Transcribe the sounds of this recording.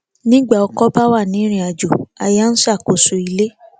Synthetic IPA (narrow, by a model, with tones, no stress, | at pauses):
nĩ˦ɡ͡ba˦˨ɔ˧kɔ˦ba˦wa˦˨nĩ˨˦ɾ̃ĩ˧˦a˨d͡ʒo˨a˧ja˦n̩˦sa˦˨ko˨su˨i˧le˦